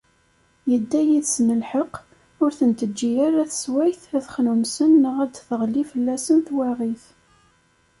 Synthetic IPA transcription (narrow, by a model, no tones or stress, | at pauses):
jəd̪ːæjiðsnəlħəq | ʊɾθənt̪əd͡ʒːiaɾæθəswæjθæθχnumsənːəʁæd̪θəʁlifəlːæsənθwæʁiθ